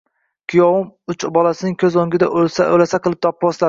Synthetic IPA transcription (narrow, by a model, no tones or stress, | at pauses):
kʲʰʊjɒwʊmʊt͡ʃbɒlˠasɪnɪŋkʲʰɵzoŋɡʲɪd̪aʔosa̰o̰lasaqʰɨlˠɪp̚t̪ʰɒpːbɒsla